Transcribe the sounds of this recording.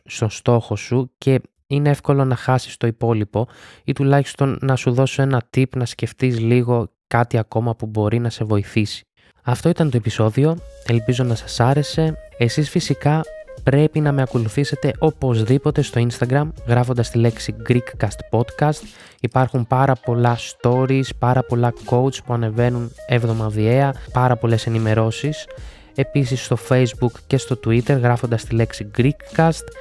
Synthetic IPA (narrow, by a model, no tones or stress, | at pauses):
st̪o̞nst̪o̞xo̞suce̞ | ineefko̞lo̞nɐxɐsi̥st̪o̞ipo̞lipo̞it̪ulɐçist̪o̞nːɐsuðo̞soe̞nɐt̪ipnɐsce̞ft̪iz̬liɣo̞kɐt̪iɐko̞mɐpubo̞ɾinɐse̞vo̞iθisi̥ | ɐft̪o̞it̪ɐnt̪o̞e̞piso̞ðio̞e̞lpizo̞nɐsɐsɐɾe̞se̞esisfisikɐpɾe̞pinɐme̞ɐko̞luθise̞t̪e̞ʔo̞po̞zðipo̞t̪e̞st̪o̞inst̪ɐɡɾɐmɣɾɐfond̪ɐst̪ile̞ksiɡɾikːɐst̪po̞d̪kɐst̪ | ipɐɾxumpɐɾɐpo̞lɐst̪o̞ɾispɐɾɐpo̞lɐko̞ut͡spuɐne̞ve̞nunevðo̞mɐðie̞ɐpɐɾɐpo̞le̞se̞nime̞ɾo̞sis | e̞pisisːt̪o̞fe̞jzbukce̞st̪o̞t̪uit̪e̞ɾɣɾɐfo̞nd̪ɐst̪ile̞ksiɡɾikːɐst̪